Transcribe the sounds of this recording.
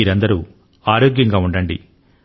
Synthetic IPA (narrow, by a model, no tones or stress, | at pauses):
iːɾɐnd̪ɐɾuː | aːɾoːɡjɐŋɡaːuɳɖɐɳɖḭ